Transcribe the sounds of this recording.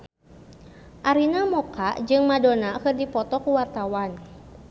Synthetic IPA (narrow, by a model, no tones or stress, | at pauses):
ʔaɾinamɔkaʔd͡ʒɨŋmadonakɨrdipɔt̪ɔkuwart̪awan